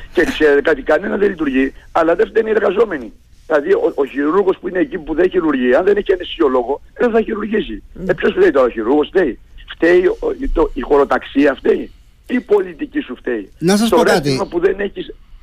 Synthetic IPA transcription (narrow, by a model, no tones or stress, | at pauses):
cekse̞ɾet̪e̞kɐt̪ikɐne̞nɐðelit̪uɾʝiɐlɐðeft̪einieɾɣɐzo̞me̞ni | ilɐðiooçiɾuɾɣo̞spuine̞ːcipuðeçiɾuɾʝiɐnðe̞neçienesiolo̞ɣo̞ | ðenθɐçiɾuɾʝisiepço̞sft̪eit̪oçiɾuɾɣo̞sft̪eift̪e̞it̪oixo̞ɾo̞t̪ɐksiɐft̪ei | ipo̞lit̪icisuft̪e̞inɐsst̪oɾet̪izmɐpuðe̞ne̞çis